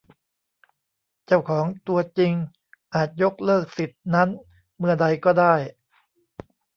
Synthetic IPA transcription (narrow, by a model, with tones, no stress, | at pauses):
t͡ɕa˥˩wkʰɔː˩˦ŋt̪u˧ɐt͡ɕi˧ŋ | ʔaː˨˩t̪̚jo˦˥k̚lɤː˥˩k̚si˨˩t̪̚na˦˥n | mɯ˥˩ɐda˧jkɔː˥˩daː˥˩j